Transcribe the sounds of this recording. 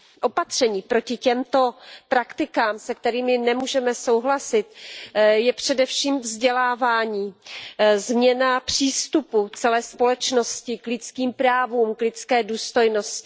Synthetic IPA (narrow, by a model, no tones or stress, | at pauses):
ʔo̞pat̪r̝̥ɛɲiːpɾo̞cɪcɛmt̪o̞pɾakt̪ɪkaːmsɛkt̪ɛɾiːmɪnɛmuːʒɛmɛso̞wɦlasɪt̪jɛpr̝̥ɛdɛfʃiːmvzɟɛlaːvaːɲiː | zmɲɛnapr̝̥iːst̪uput͡sɛlɛːspo̞lɛt͡ʃno̞scɪklɪt͡skiːmpɾaːvuːmklɪt͡skɛːduːst̪o̞jno̞scɪ̥